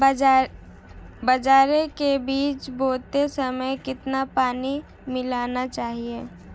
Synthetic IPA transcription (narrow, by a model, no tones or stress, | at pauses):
bəd͡ʒaːɾekebiːt͡ʃboːt̪esəməjkɪt̪napaːni | mɪlaːnat͡ʃaːɦie